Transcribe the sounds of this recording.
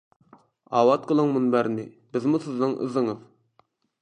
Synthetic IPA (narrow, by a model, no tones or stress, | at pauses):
ɑːwɑt̪̚qʰəlˠəŋmunbæɾnɪ | bɪzmusɪznɪŋʔɨ̰zɨŋɨð